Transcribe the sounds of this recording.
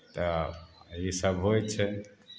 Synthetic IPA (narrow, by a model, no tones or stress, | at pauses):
t̪o | isabʱɦojt͡ʃʰe